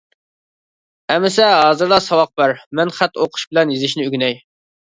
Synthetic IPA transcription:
ɛmɪs̬ɛɦɑːzɨɾd̪ɑsɑwɑq̚bæɾmɛnχæt̪ːoqʰʊ̥ʃbɪlɛnjizɪʃnɪyɡʲnɛj

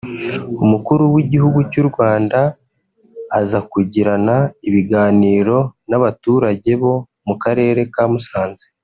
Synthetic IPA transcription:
umukuɾuwiɟihuɡucuɾɡwaːndaː | zakuɟiɾanaiβiɡaːniːɾo̞naβatuːɾaɟe̞βo̞ | mukaɾe̞ːɾe̞kaːmusaːnze

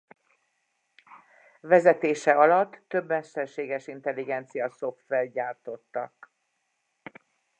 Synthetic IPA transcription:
vɛzɛt̪eːʃɛɒlɒt̪ːø̞bːmɛʃt̪ɛrʃeːɡɛʃint̪ɛlːiɡɛnt̪sijɒso̞fːɛlɟaːrt̪o̞t̪ːɒ̰k̚

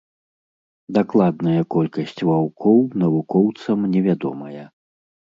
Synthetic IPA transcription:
d̪aklˠad̪nɐjɐkɔlʲkɐsʲt͡sʲvawkʰɔwnɐvukɔwt̪sɐmnʲɛvʲad̪ɔ̰mɐjɐ

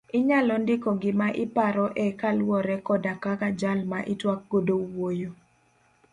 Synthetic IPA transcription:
ɪɲalɔndɪkɔɡɪmaʔɪpaɾɔʔɛkalwɔɾɛkɔdakakad͡ʒalmaʔɪtwak̚ɡ̥odowojo

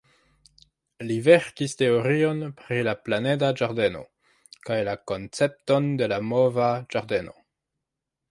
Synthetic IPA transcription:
liveɾkiste̞oɾio̞npɾilaplane̞dad͡ʒaɾde̞no̞̰ | kajlako̞nt͡se̞p̚to̞nde̞lamovad͡ʒaɾde̞no̰

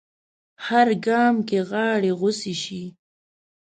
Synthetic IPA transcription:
haɾɡɑmkeɣɑːɽeɣʊsiʃi

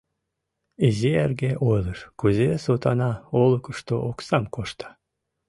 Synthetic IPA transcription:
ezʲiæɾɡeʔojlˠɯʃkuzʲesot̪ɑnɑolˠukuʃt̪oʔoksɑmkʰoʃt̪ɑ̥

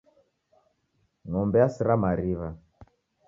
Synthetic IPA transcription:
ŋɔmbɛasiɾamaɾiβa

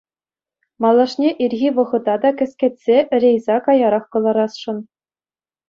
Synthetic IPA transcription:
mɑlˠːɑʂnʲeʔirʲɣʲiʋɤ̆ʁɤ̆d̪ɑd̪ɑkʲɘ̆sʲkʲet̪ʲsʲeʔɘ̆rʲejzɑkɑjɑɾɑχkɤ̆lˠɑɾɑsʂɤ̆n

